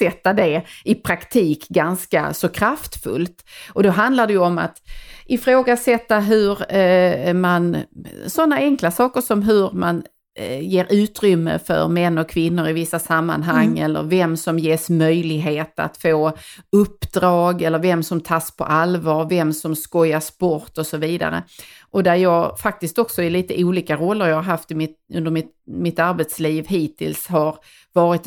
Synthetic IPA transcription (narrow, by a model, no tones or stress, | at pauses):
sɛt̪ːad̪ɛɪpʰɾakt̪ʰiːkɡanska̰sɔkʰɾaft̪fɵ̰lt̪ʔɔd̪ɔɦand̪laɖɛjɵɔma̰t̪ʔɪfɾoːɡasɛt̪ːaɦɵɾ | mansɔnːaɛŋklasɑːkəʂɔmɦɵɾman | jeːɾʔʉ̟ːt̪ɾʏmːə̰fœ̰ɾmɛnːɔkʰvɪnːʊɾɪvɪsːasamːa̰nɦaŋːɛlːə̰ɾvɛmsɔmjeːsmœjlɪɡɦeːt̪a̰t̪foːɵpːd̪̥ɾɑːɡɛlːəɾvɛmsɔmt̪ʰaspʰɔ̰ʔalvɑːɾvɛmsɔmskɔjːaʂpɔɾt̪ɔsɔviːd̪a̰ɾə̰ʔɔd̪æɾjɑːɡfak̚t̪ɪst̪ɔksɔɪliːt̪əʔuːliːkaɾɔlːəɾjɑːhaɾɦaft̪ɪmɪt̪ɵnd̪əɾmɪt̪ | mɪt̪aɾbɛt̪sliːvɦiːt̪ʰɪ̰lshaɾ | vɑːɾɪt̪